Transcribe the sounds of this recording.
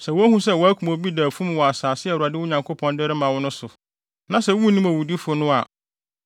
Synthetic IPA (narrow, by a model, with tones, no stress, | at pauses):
sɛ˨wɔ˦æ˦hũ˦sɛ˦˨wɔ˨˦æ˦kʰʷu˨mõ˨bi˦dæ˨fũ˦m˨wɔ˨a˨saː˨sɪ˦ɛ˨a˨dɪ˦wʊ˦ɲã˨ŋkʰo˦pʰɔ̃˦ndɛ˦ɾɪ˦mã˨wʊ˦nʊ̃˦sʊ˨ | nã˨sɛ˨wu˦nĩ˦mæ˨wu˨di˦fʊ˦nʊ̃˦a˨